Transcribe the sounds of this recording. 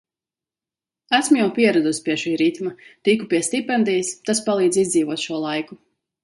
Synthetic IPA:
æsmujawpʲiɛɾɛd̪usʲpʲiɛʃiːɾit̪mat̪ikupiɛst̪ʲipɛnd̪ijst̪aspalˠiːd̪zizd̪ziːvuɔt̪ʃuɔlˠajku

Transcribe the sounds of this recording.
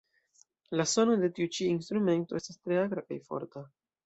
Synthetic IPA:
laso̞no̞de̞tiut͡ʃiinstɾume̞nto̞e̞stastɾe̞aɡɾakajfo̞̰ɾta

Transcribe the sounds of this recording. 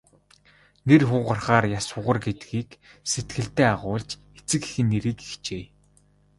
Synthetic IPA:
nerxʊːʁə̆rχaːrjasʊʁə̆rɡet̪ɡiːkset̪̚ɡɘ̆ɬt̪æːaʁʊːɮt͡ɕ | et͡sɘ̆ki̥xɘ̆nːeɾiːki̥xt͡ɕeː

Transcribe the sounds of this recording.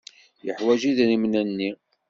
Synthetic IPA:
jəħwæʒiðnimnænːi

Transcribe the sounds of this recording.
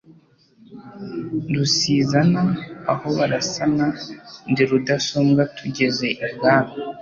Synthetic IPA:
dusiːzanaaho̞βaɾasanandiɾudasomɡatʰuɟe̞ze̞ʔimɡaːɾo

